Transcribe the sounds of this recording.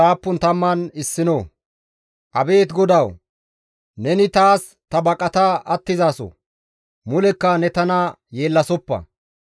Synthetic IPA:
aːpːʊnt̪ɐmːɐnɪsːɪnoː | ʔɐbe̞ːt̪ɡɔd̪ɐw | nɛnɪt̪aːs | t̪ɐbɐkʼɐt̪aʔɐt̪ːɪzaːsɔ̰ | mʊlɛkːɐnɛt̪ɐnɐ | je̞ːlːɐsɔpːɐ̰

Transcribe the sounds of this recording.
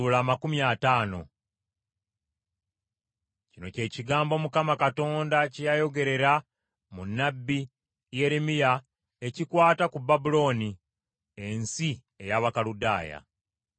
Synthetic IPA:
ulaːmakumjaːtaːno̞̰ | cino̞̰ce̞ːciɡaːmbo̞mukamakato̞ːndacijajo̞ɡe̞ɾe̞ɾa | munːabːi | je̞ɾemija | e̞cikwaːtakubːabulo̞ːni | ensi | e̞jaβakaluda̰ːja̰

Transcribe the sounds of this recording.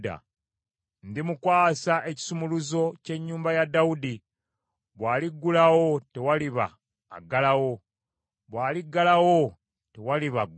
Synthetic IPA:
da̰ | ndimukwaːsaʔe̞ci̥sumuluzo̞ce̞ɲːuːmbajadːawudi | βwaːliɡːulawo̞te̞waliβa̰ː | ɡalawo̞ | βwaːliɡːalawo̞ | te̞waliβaɡ

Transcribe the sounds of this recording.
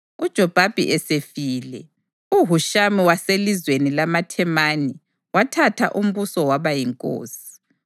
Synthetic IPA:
ud̥ʒ̥ʱɔb̥ʱab̥ʱḭʔɛsefilɛ | uɦuʃamiwaselizwenilamatʰɛmani | watʰatʰa̰ʔum̩βusɔwaβajiŋkʼo̰ːsi̥

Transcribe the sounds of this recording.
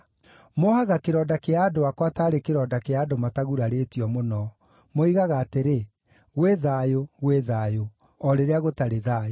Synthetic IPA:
mohaɣakeɾɔːdakeaːdoakwataːɾekeɾɔːdakeaːdomataɣuɾaɾetiɔmonɔ | moiɣaɣaːteɾe | ɣweðaːjoɣweðaːjo | ɔɾeɾeaɣotaɾeðajo

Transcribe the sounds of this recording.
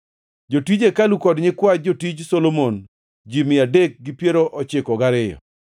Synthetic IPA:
d͡ʒotid͡ʒekalukɔdɲɪkwad͡ʒotid͡ʒsolomon | d͡ʒimɪadek̚ɡɪpjeɾoʔɔt͡ʃɪkɔɡaɾɪjɔ̰

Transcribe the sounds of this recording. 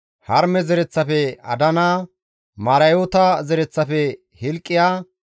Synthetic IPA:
hɐɾmɛzɛɾɛt͡sːɐfɛɐ̰d̪ɐnaː | mɐɾɐjoːt̪ɐzɛɾɛt͡sːɐfɛ | hɪlkʼːɪjaː

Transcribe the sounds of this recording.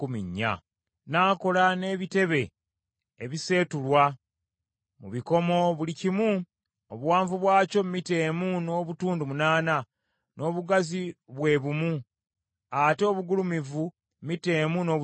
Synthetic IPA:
kumḭɲːa̰ | naːko̞lane̞ːβite̞βe̞ː | βise̞ːtulwa | mṵβiko̞mo̞βulicimu | oβuwaːɱvuβwaːco̞mmite̞ːmuno̞ːβutuːndumunaːna | nʔo̞ːβuɡaziβwe̞ːβumu | ateβuɡulumivu | mmite̞ːmuno̞ː

